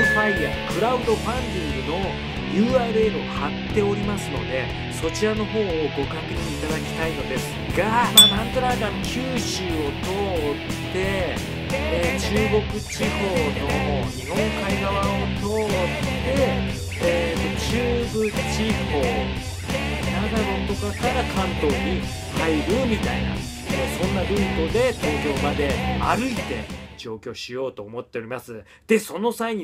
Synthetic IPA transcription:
ɸaiakɯ̟ɾaɯ̟d̪o̞ɸãnd̪ʲĩŋɡɯ̟no̞ | jɯ̟ːaːɾɯ̟e̞ɾɯohat̪ːe̞o̞ɾʲimasɨno̞̰d̪e̞ | so̞t͡ɕiɾano̞ɦo̞ːoɡo̞kakeɲiːt̪ad̪akʲi̥t̪aino̞d̪e̞sɨ̥ɡamaːnãnt̪oɾak̪akʲɨːɕɨo̞t̪o̞t̪ː | e̞ | t͡ɕɨːɡo̞kɯ̟t͡ɕiho̞ːno̞ihõ̞ŋkaiɡaβao̞t̪o̞ːt̪ːe̞ː | t̪o̞t͡ɕɨːbɯ̟t͡ɕiho̞ː | nad̪aɾo̞t̪o̞kakaɾakãnt̪o̞ːɲ̟i | haiɾɯ̟mʲit̪aina̰mosõ̞nːaɡɯ̟̃it̪o̞d̪e̞t̪o̞ːkʲo̞ːbad̪e̞aɾɯ̟it̪e̞̰d͡ʑo̞ːkʲo̞ːɕijo̞ːt̪o̞ːmo̞t̪ːe̞oɾʲimasɨ | d̪̥e̞so̞no̞saiɲ̟i

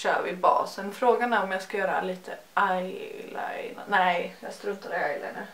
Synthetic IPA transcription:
ʃø̰ːvɪlbɑ̰ːsənfɾoːɡanæɾɔmjɑskajœːɾa̰liːt̪ʰəʔajla̰jna̰nɛɪjɑst̪ɾɵt̪ʰaɾəajla̰jna

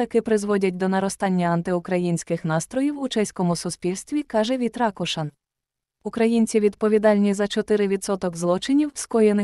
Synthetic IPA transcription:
ɐkɪpɾɪzʋɔdʲɐt̚ʲd̪ɔnɐɾɔst̪ɑnʲːɐɐnt̪ɪʊkɾɐjinʲsʲkɪxnɑst̪ɾɔjiwut͡ʃɛsʲkɔmʊsʊspʲilʲsʲt̪ʲʋʲikɑʒɛʋʲit̪ɾɑkɔʃɐn | ukɾɐjinʲt͡sʲiʋʲid̪pɔʋʲid̪ɑlʲnʲizɐt͡ʃɔt̪ɪɾɪʋʲid̪sɔt̪ɔɡzlˠɔt͡ʃɪnʲiwskɔjenɪ

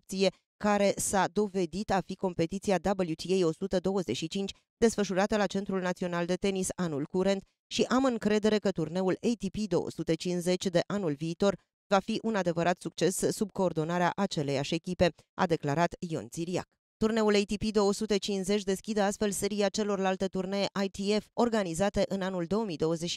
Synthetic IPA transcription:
up̚t̪sije̞ | kaɾe̞sad̪o̞ve̞d̪it̪afiko̞mpe̞t̪it̪siad̪abəljut̪ʰiejo̞sut̪əd̪o̞wəze̞t͡ʃʃit͡ʃint͡ʃʲ | d̪e̞sfəʃuɾat̪əlat͡ʃe̞nt̪ɾulnat̪sio̞nald̪e̞t̪e̞nisanulkuɾe̞nt̪ | ʃiʔamɨŋkɾe̞d̪e̞ɾe̞kət̪urne̞ulejt̪ipid̪o̞wo̰sut̪et͡ʃinze̞t͡ʃʲd̪e̞ʔanulviːt̪o̞r | vafiʔunad̪e̞vəɾʔat̪sukt͡ʃe̞sːub̚ko̞ːrd̪o̞naɾea̰ʔat͡ʃe̞le̞jaʃʲe̞kʲipe̞ | a̰d̪e̞klaɾat̪jo̞̰nt̪siɾia̰k | t̪urne̞ulejt̪ipid̪eosut̪e̞t͡ʃinze̞t͡ʃʲd̪e̞skʲid̪əast̪fe̞lse̞ɾiat͡ʃe̞lo̞rlalt̪et̪urne̞jeʔajt̪ie̞fo̞rɡanizat̪e̞ʔɨnanuld̪o̞wəmijd̪o̞wəze̞t͡ʃʃ

